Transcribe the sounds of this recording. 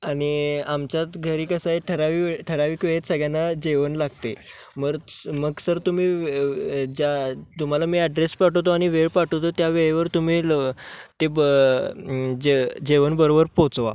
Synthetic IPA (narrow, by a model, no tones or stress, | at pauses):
aɽ̃iamt͡ɕat̪ɡʱəɾiːkəsaeʈʰəɾaʋiʈʰəɾaʋiːkʋeɭet̪səɡjanːad͡ʑeʋənlaɡ̚t̪e | məɾməɡsəɾt̪umiː | d͡ʑat̪um̤alamiːɛɖɾespaʈot̪̬oaɽ̃iʋeɭpaʈot̪ot̪jaʋeɭeʋəɾt̪um̤iːlt̪eb | d͡ʑed͡ʑeʋənbəɾobəɾpot͡sʋa̰